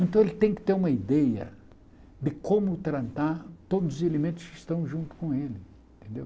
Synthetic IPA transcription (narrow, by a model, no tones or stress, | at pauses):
ẽnt̪ɐ̃w̃elɪt̪ẽj̃kɪ̥t̪eɾũmɐid̪ɛjɐ̰ | d̪ɪkõmʊt̪ɾɐ̃t̪aɾt̪od̪ʊzʊzelemẽnt̪ʊ̥skɪst̪ɐ̃w̃ʒũnt̪ʊ̥kõelɪẽt̪ẽnd̪ḛw